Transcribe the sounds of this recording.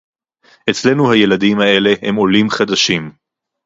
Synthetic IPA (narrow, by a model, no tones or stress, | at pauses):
ʔe̞t͡sle̞nuhaje̞ladimhae̞le̞hḛmo̞limχad̪aʃim